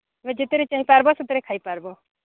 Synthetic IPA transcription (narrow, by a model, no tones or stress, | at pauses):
ʋed͡ʒɪt̪eɾet͡ʃaɦipaɾbɔsut̪ɾekʰaːipaɾbo